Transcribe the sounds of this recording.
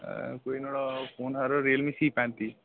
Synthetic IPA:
koinoɽɔfʰoːnɦaɾɔɾelmĩsiːpãnt̪i

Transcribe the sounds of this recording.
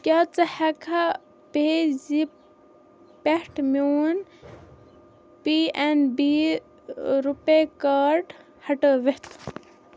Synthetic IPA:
kʲaːt͡sɐhɐkʰa | pezi | pehʈmuːn | pienbi | ɾupekaːɾʈ | hɐʈəʋet̪ʰ

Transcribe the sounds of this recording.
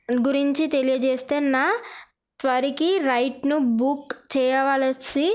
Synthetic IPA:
ɡuɾiɲt͡ʃit̪elijɐd͡ʒeːst̪eːnaː | t̪ʋɐɾikiɾɐjʈnubukt͡ʃɛːjɐʋaːlɐsi

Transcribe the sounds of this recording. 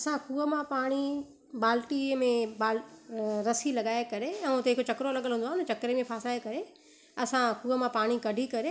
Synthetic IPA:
ɐsãkuːəmãpaːɽ̃i | baːlʈimẽbaːlɾɐsilɐɠaːekɐɾeɛ̃ːt̪eɦɪkot͡ɕɐkɾolɐɠəlɦũːnd̪oaɦɪnt͡ɕɐkɾemẽpʰaːslaːekɐɾe | ɐsãkuːəmãpaːɽ̃ikɐɖʱikɐɾe

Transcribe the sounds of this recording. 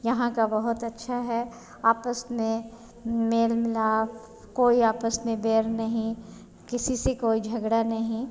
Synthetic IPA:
jɐɦãkabɐɦʊt̪ɐtːʃʰaɦɛ | aːpəsmẽ | meːlmɪlaːf | koːiaːpəsmẽbeːɾnɐɦĩ | kɪsisekoːid͡ʒʱɐɡɽanɐɦĩ

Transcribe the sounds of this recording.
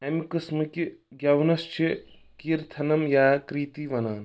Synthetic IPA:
ɐmikɨsmɨkʲiɡʲjɐwnɐst͡ʃʰi | kiːɾt̪ʰɐnɐmjaːkɾiːt̪iːʋɐnaːn

